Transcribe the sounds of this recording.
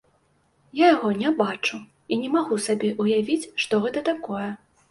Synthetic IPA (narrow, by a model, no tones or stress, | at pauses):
jajaɣɔnʲɛbat͡ʂu | inʲɛmaɣusabʲɛʔujavʲit͡sʲʂt̪ɔɣɛt̪ɐt̪akɔjɛ